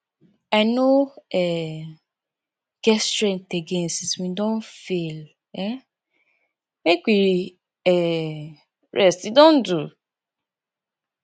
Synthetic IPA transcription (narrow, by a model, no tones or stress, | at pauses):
aɪnoɛ | ɡ̥ɛstɹɛ̃nteɡẽnsiswĩdɔ̃nfel | ɛ | mekʷiɾi | ɛ | ɹʔɛstidɔ̃n̩du